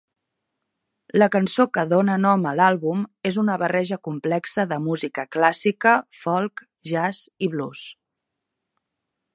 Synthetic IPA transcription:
ləkənsokəðonənɔməlalˠβumezunəβərɛʒəkumplɛksəðəmuzikəklasikəfɔlˠk | ʒaziβlus

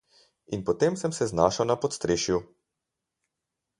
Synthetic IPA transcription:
inpɔt̪emsəmsɛznaːʃawnapɔt̪st̪ɾeːʃju

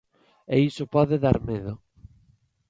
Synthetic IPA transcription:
eisopɔðeðaɾmeðʊ

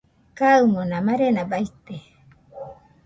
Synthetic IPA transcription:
kaɯmonãmaɾenabait̪e

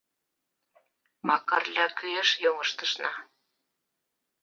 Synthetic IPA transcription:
mɑkɑrlʲɑkyeʃjoŋəʃt̪ɤ̆ʃnɑ

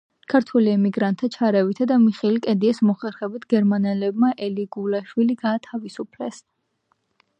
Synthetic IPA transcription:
kʰaɾt̪ʰwuliɛmiɡɾant̪ʰːat͡ʃʰaɾɛvit̪ʰad̪amiχɛlikʼɛd̪iɛsmɔχɛɾχɛbit̪ʰɡɛɾmanɛlɛbmaʔɛliɡulaʃwiliɡaːt̪ʰavisupʰlɛs

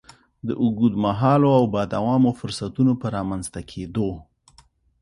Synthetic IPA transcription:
d̪əʔʊɡud̪maɦɑloawbɑd̪awɑmofʊɾsat̪unopəɾɑmanzt̪akʰed̪o

